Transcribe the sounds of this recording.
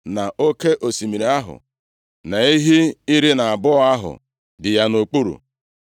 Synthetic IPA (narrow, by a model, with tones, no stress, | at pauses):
na˨o˦ke˦ʔo˨si˨mi˨ɾi˨˦a˦ɦʊ̰˨ | na˨i˦ɦi˦i˦ɾi˦na˨a˨bʊ˦a˦ɦʊ̰˨ | dɪ˨ja˦no˨k͡pu˦ɾṵ˨